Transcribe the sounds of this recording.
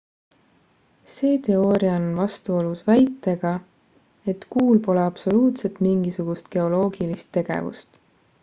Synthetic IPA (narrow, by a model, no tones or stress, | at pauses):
se̞ːt̪e̞o̞ːɾiɑnonvɑst̪uolusvæjt̪ːˑe̞ɡ̥ɑ | e̞t̪kuːlpo̞leɑb̥so̞luːt̪se̞t̪miŋɡ̥isuɡ̥ust̪̚ɡ̥e̞o̞lo̞ːɡ̥ilist̪ːe̞ɡ̥ḛvṵst̪